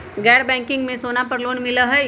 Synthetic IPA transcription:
ɡɛːɽbɛ̃ːŋkɪ̃ŋɡmẽsoːnapɐɾloːnmɪləɦɛ

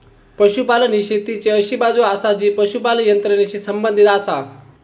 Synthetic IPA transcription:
pəʃupaləniʃet̪it͡ɕeəʃibad͡zoaːsad͡ʑiːpəʃupaljənt̪ɾəneɕisəmbə̃nd̪ʱit̪aːsa

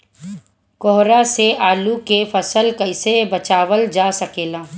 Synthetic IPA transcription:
kɔɦɾaseaːlukefɐsəlkɐɪsebɐt͡ʃaːʋəld͡ʒaːsɐkeːlaː

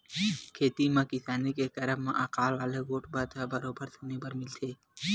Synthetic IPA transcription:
kʰeːt̪imãkɪsaːnikekɐɾəbmã̰ʔaqaːlʋaːleɡoːʈʰbət̪ʰabɐɾoːbəɾsʰonepəɾmɪlt̪ʰeː

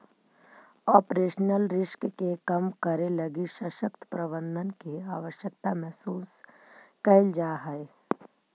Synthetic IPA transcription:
ɔːpɾeːʃnəlɾɪʃkəkekɐmkəɾelɐɡiʃəʃəkt̪ə̥pɾəbə̃nd̪ʱənkeaːʋəʃjək̚t̪amɛɦsuːs | kəɪld͡ʒaːɦɛe

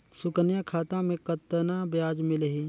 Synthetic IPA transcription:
sʊkənjãkʰaːt̪ãmẽkət̪ːənãbjaːd͡ʒmɪlɦi

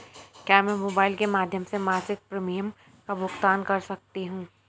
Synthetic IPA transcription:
kʲjaːmɛ̃ːmoːbaːɪlkemaːd̪ʱjəmsemaːsɪk̚pɾɐmijəm | kabʱʊkt̪aːnkɐɾsɐk̚t̪iɦũː

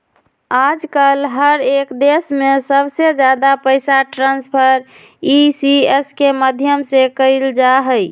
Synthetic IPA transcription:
ad͡ʒkəlɦəɾekd̪esmesəbsed͡ʒad̪apəɪsaʈɾãnspʰəɾ | isieskeməd̪ʱjəmsekəɪld͡ʒaɦəj

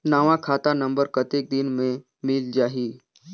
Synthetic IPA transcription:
naːʋãkʰaːt̪anɐ̃mbəɾkət̪ek̚d̪ɪnmẽ | mɪld͡ʒaːɦiː

